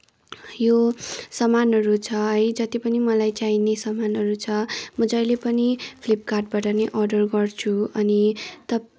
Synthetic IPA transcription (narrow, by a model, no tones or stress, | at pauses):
josʌmanɦʌɾut͡sʰʌɦʌjd͡zʌt̪ipʌnimʌlajt͡sainesʌmanʌɾut͡sʰʌmud͡zajlepʌnipʰlip̚karʈ̚baʈʌneʔʌrɖʌrɡʌrt͡sʰuʌnit̪ʌ